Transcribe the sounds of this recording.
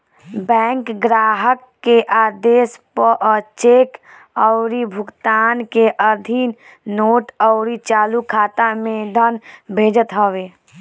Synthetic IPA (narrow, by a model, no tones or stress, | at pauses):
bɛ̃ːŋkɡɾaːɦəkːeʔaːd̪eːspəʔt͡ʃeːk | əʊɾibʱʊɡt̪aːnkeʔəd̪ʱin | noːʈəʊɾit͡ʃaːlukʰaːt̪amẽd̪ʱənbʱeːd͡ʒət̪ɦəweː